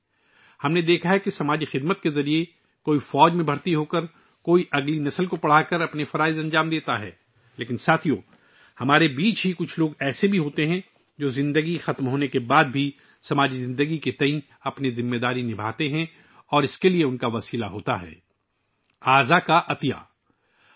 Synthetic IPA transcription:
hɐmned̪eːkʰaɦɛkisɐmaːd͡ʒixɪd̪mət̪kezɐɾie | koːifɔːd͡ʒmẽbʱɐɽt̪iɦoːkəɾ | koːiʔɐɡlinɐsəlkopɐɽ̤aːkəɾɐpnefɐɾaːɪzɐ̃nd͡ʒaːmd̪eːt̪aɦɛ̰ː | leːkɪnsaːt̪ʰijo̰ː | hɐmaːɾebiːt͡ʃɦikʊt͡ʃʰloːɡɛːsebʱiɦoːt̪eɦɛ̃ | d͡ʒoːzɪ̃nd̪əɡixɐt̪mɦoːnekebaːd̪bʱi | sɐmaːd͡ʒizɪ̃nd̪əɡiket̪ɐ̃ĩ | ɐpnizɪmːed̪aːɾinɪbʱaːt̪eɦɛ̃ | ɔːɾɪskelieʊnkaʋɐsiːlaɦoːt̪a̰ɦɛ̰ː | aːzakaʔɐt̪ija̰ː

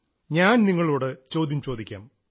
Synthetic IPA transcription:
ɲaːnniŋːɐɭuːɽet͡ɕo̞ːd̪ʱjɐmt͡ɕo̞ːd̪ikʲːa̰ːm

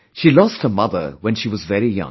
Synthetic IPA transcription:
ʃilɔst̚hə˞mʌðə̰˞wə̃nʃiwʌzvɛɹijʌ̰̃

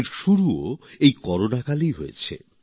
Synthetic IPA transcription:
ɾʃuɾuoejkɔɾonakalijɦojḛt͡ɕʰḛ

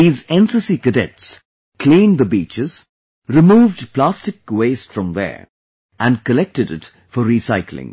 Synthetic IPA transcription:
izɛ̃nsəsikɨdɛts | kʰl̥ĩnðəbit͡ʃɪz̥ | ɾɨmuːvdpl̥æstɨk̚weɪstfɹʌ̃mðə̰˞ | ʔæ̃nkəlɛk̚tɨdɪ̰t | fəɹisaɪkʰlɪ̰̃ŋ

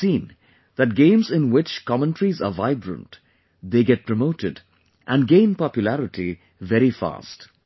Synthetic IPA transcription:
sĩːn | ð̥æʈ̚ɡẽɪ̃mzɪ̃nwɪt͡ʃkɑmə̃nʈɾizə̰vaɪbɹə̰̃nt | d̪eːɡɛʈ̚pɾəmoʊʈɪd | ʔæ̃nɡẽɪ̃npɑpjʊlæɾɪʈʰi | vɛɾifa̰ːst

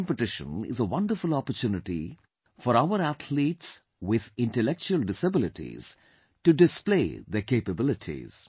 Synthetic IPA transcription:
mpɪʈɪʃə̰̃nɪ̰zəʋʌ̃ɳɖəɾfʊlɔpəɾt͡ʃuːnɪʈḭ | fɔɾaʊəɾæt̪ʰliːʈs | wɪd̪ɪ̃ɳʈəlɛk̚t͡ʃuəlɖɪsəbɪlɪʈʰḭz̥ | ʈuɖɪspleːd̪əɾkeːpəbɪlɪʈʰḭz̥

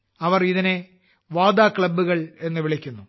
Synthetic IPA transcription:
ɐʋɐriðine | ʋaːd̪aːkɭɐbːuɣɐɭe̞nːɨʋiɭikʲːunːu

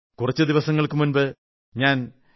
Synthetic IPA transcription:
kurɐt͡ɕːɨd̪iʋɐsɐŋːɐɭkɨmunbɨ | ɲaːn

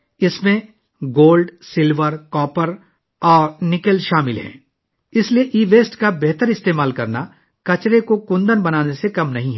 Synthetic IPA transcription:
ɪsmẽ | ɡoːlɖsɪlʋəɾkɔːpəɾ | ɔːɾnɪkəlʃaːmɪlɦɛ̰̃ː | ɪslieʔiːʋeːsʈkabɛɦt̪əɾɪst̪eːmaːlkɐɾna | kɐt͡ʃɾekokʊ̃nd̪ənbɐnaːnesekɐmnɐɦĩɦɛː

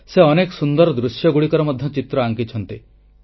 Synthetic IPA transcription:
seɔnekɔsund̪ɔɾɔd̪ɾusjɔɡuɽikɔɾɔmɔd̪ʱjɔt͡ʃit̪ɾɔaŋkit͡ʃʰɔnt̪i

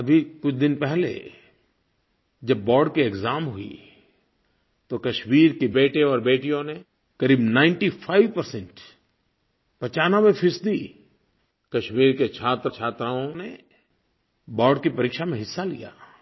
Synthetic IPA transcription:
ɐbʱikʊt͡ʃʰd̪ɪnpɛɦlḛ | d͡ʒɐbːɔːɾɖkiekzaːmɦʊḭ | t̪okɐʃmiːɾkibeːʈẽɔːɾbeːʈijõne | kɐɾiːbnãːɪ̃ɳʈifʰaːɪʋpɐɾsɛ̃ɳʈ | pɐt͡ʃaːnawepʰɪsd̪i | kɐʃmiːɾket͡ʃʰaːt̪ɾət͡ʃʰaːt̪ɾaõne | bɔːɾɖkipɐɾiːkʃamẽɦɪsːalḭja̰ː

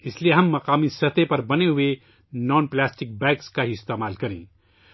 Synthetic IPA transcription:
ɪslieɦɐ̃mːɐqaːmisɐt̪epɐɾbɐneɦʊe | nɔːnplɛːsʈɪk̚bɛ̃ːkskaiɪst̪eːmaːlkɐɾḛ̃ː

